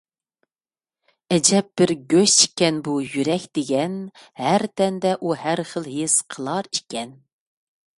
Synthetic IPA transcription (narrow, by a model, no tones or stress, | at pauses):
ɛd͡ʒɛp̚bɪɾɡʲøʃt͡ʃi̥kʲːɛnbujyɾɛkʲd̪̥ɪɡʲɛn | hæɾt̪ʰɛnd̪ɛʔuhæɾχəlˠɦesqʰəlˠɑɾiʃkʲɛn